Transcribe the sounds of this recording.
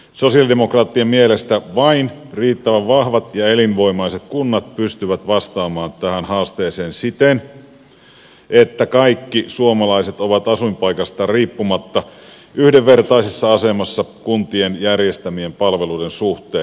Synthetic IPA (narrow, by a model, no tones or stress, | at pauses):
so̞siɑldemokrɑːt̪ːiɑmielest̪æʋɑinriːt̪ːæʋæʋʋɑhʋɑt̪jɑelinʋo̞imɑiset̪kunːɑt̪̚pyst̪yʋæt̪ʋɑst̪ɑːmɑːnt̪æhænhɑːst̪eːseːnsit̪en | ʔet̪ːækɑikːisuomɑlɑiset̪oʋɑt̪ɑsuimpɑikɑst̪ɑriːpːumɑt̪ːɑ | yhdeʋːert̪ɑisisːɑɑsemɑsːɑkunt̪ienjærjest̪æmiempɑlʋeluidensuht̪eːn